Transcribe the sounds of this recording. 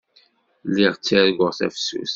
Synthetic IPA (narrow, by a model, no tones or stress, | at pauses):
lːiʁt͡sːæɾɡʊʁθæ̰fsṵθ